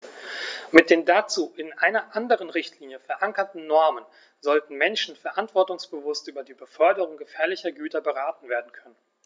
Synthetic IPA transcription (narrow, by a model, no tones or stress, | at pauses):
mɪt̚d̥eːndaːt͡suːʔɪnʔaɪnɐʔandəʁ̞ənʁɪçtʰliːnjəfɛɐʔaŋkɐtn̩nɔɐmən | zɔltn̩mɛnʃn̩fɛɐʔantv̥ɔɐtʊŋsb̥əvʊstʔyːbɐdiːbəfœɐdəʁʊŋɡəfɛːɐlɪçɐɡyːtɐbəʁaːtn̩veːɐdn̩kʰœnən